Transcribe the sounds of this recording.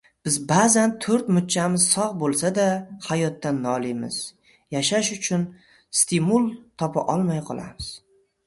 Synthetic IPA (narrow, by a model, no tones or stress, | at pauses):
b̥ɪzbaːzant̪ʰɵɾt̪mʊt̪̚t͡ʃʰamɪz̥sɒʁbolˠsad̪ahajɒt̪ːanːɒlˠɪmɪ̰z̥ | jaʃaʃʊt͡ʃʰʊn | st̪ʰɪmulˠt̪ʰɒpʰa̰ʔɒlˠmajqʰɒ̰lˠa̰mɪz̥